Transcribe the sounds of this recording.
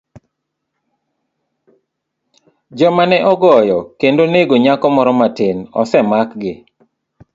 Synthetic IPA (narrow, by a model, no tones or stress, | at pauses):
d͡ʒɔmanɛʔɔɡɔjɔkendoneɡoɲakɔmɔɾɔmatɪnɔ̰sɛmakɡɪ